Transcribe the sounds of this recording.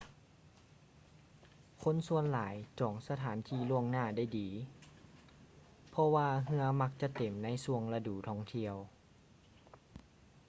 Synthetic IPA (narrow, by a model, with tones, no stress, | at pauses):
kʰo˧˥˨nsu˧ənlaː˩˦jt͡ɕɔː˨˩˦ŋsa˧t̪ʰaː˨˩˦nt̪ʰiː˧˩lu˧˩əŋnaː˧˩da˥˩jdiː˨˦ | pʰɔ˧waː˧ɦɯ˧əma˧k̚t͡ɕa˧˦t̪e˨˩mna˧˥jsu˧əŋla˧duː˨˩t̪ʰɔː˧˥˩ŋt̪ʰi˧əw